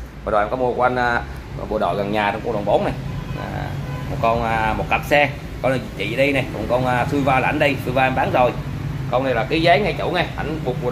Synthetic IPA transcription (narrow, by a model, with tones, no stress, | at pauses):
a˨˩˨a˧mkɔ˨˦mu˧əku˧˦ʔa˧ŋ̟ʔː | ɓṵ˧əɗɔ̰˧˨jɣa˨˩ŋɲaː˨˩t͡ɕɔ˧ŋ͡mku˧ŋɗə˨˩wŋ͡mɓo˨˦nna˨˩j̰ | kɔ˨˩t̚kɔ˧wnː˧mo˨˩t̚ka˨˩p̚sɛ˧ | kɔ˧n˨˩z̚t͡ɕḭ˧˨ɗi˧jna˨˩jkɔ̰˨˩ŋ͡mkɔ˧wnʔsɨ˧jvaː˧lːa̰˧˩˦nɗə˧jsɨ˧vaː˧nɓaː˨˦ŋzo˨˩j | kə˧wna˨˩jlaː˨˩ki˨˦zə˨˦jŋa˧jt͡ɕṵ˧˩wŋa˧˩jʔa˧˩jŋvk̚ɓu˧˩